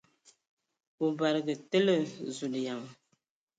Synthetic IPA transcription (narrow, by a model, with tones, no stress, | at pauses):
u˨ba˨ɾɨ˨ɡɨ˨tɨ˦lɨ˦zu˨lɨ˨ja˨m˨